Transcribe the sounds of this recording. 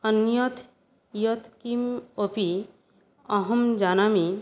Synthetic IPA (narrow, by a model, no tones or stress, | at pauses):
ənjɔt̪ʰ | jɔt̪ʰkimopi | ɐɦəmd͡ʒaːnami